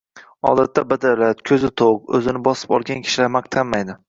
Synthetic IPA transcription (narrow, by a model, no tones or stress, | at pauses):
ɒ̰d̪at̪ʰːabad̪alat̪kʲʰɵzɪt̪ʰoqɵzɪnɪbɒsɪ̥pɒ̰lˠɡʲankʲʰɪ̥ʃɪlaɾmaq̚t̪ʰamːajd̪ɪ